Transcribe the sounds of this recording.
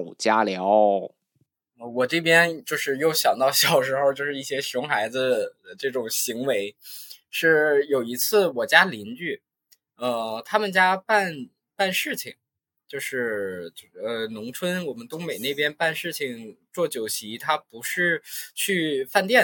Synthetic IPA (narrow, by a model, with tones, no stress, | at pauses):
t͡ɕja˥ljɑ˧˥ʊ | ə˧wɔ˨˩ʈ͡ʂɤ˥˩pjɛ˥nt͡ɕjo˥˧ʊʂɻ̩˥˧jo˥˩ʊɕjɑ˨˩ŋt̪ɑ˥˧ʊɕjɑ˨˩ʊʂ̬ɻ̩˧˥xʊt͡ɕjo˥˧ʊʂɻ̩˥˧i˥˩ɕjɛ˥ɕʊ˧˥ŋxa˧˥ɪd͡zɹ̩˧ə˩ʈ͡ʂɤ˥˩ʈ͡ʂʊ˨˩ŋɕi˧˥ŋwe˧˥ɪʂɻ̩˥˩jo˨˩ʊi˧˥t͡sʰɹ̩˥˩wɔ˨˩t͡ɕja˥li˧˥ny˥˩ | ə˥˧t̪ʰa˥mə˨nt͡ɕja˥pa˥˩˧n | pa˥˧nʂɻ̩˥˩t͡ɕʰi˨˩ŋ | t͡ɕjo˥˧ʊʂɻ̩˥˩ | ə˧nʊ˧˥ŋt͡sʰwə˥nwɔ˨˩mə˦nt̪ʊ˥ŋme˨˩ɪne˥˩ɪpjɛ˥npa˥˧nʂɻ̩˥˩t͡ɕʰi˨˩ŋt͡swɔ˥˩t͡ɕjo˨˩ʊɕi˧˥t̪ʰa˥pu˧˥ʂɻ̩˥˧t͡ɕʰy˥˧fa˥˧nt̪jɛ˥˩